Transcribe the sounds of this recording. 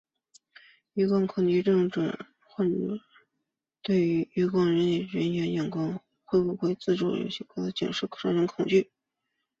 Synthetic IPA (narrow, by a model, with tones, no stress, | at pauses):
y˧˥kɑ˥˩ŋkʰʊ˨˩ŋt͡ɕy˥˧ʈ͡ʂɤ˥˩˧ŋʈ͡ʂwa̰˨˩˦ | xwa˥˩ʈ͡ʂɤ̰˨˧˩ | t̪we˥˩ɪy˧˥y˧˥kɑ˥˩ŋɻə˧˥ni˨˩ɥə˧˥njɛ˧˥njɑ˨˩ŋkɑ˥ŋ | xwe˥˧ɪpu˥˧xwe˥˧ɪt͡sɹ̩˥˧ʈ͡ʂṵ˥˩jo̰˧˥ʊɕɛ˧˥kʰɤ˥˩d̪ɤ˧˥t͡ɕḭ˨˩ŋʂɻ̩˥˩kʰɤ˥˩ʈ͡ʂʰɑ˥ɻə˧˥nkʰʊ˨˩ŋt͡ɕy˥˩